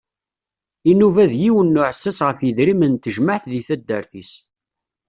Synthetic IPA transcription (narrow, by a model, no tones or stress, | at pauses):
inuvæðjiwənːuʕəsːæsʁəfjəðɾimənt̪ːəʒməʕθðiθæd̪ːəɾθis